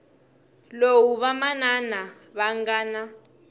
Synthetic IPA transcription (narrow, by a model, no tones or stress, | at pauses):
lowuβamanana | βaŋɡaːna